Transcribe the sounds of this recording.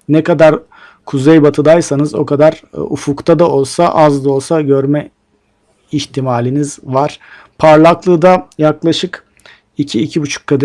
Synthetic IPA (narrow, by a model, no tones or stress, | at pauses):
nɛkad̪aɾ | kʰuzejbat̪ʰɯd̪ajsanɯzo̞̰kad̪aɾufukt̪ʰad̪ao̞lˠsaʔazd̪ˠo̞lˠsaɟøɾmɛ | içt̪ʰimaːlʲinizvaɾ̥ | pʰaɾlˠaklˠɯːd̪ajaklˠaʃɯk | icʰiːcʰibut͡ʃʰu̥kʰːad̪